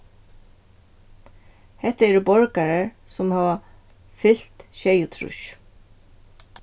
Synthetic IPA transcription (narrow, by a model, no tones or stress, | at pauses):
hɛt̪əɛːɖuːbɔɹkɑɹəɹ | sɔmhɑːʋɑ | fɪlt̪ʃeɪʊt̪ʰɾʉ̰ʃ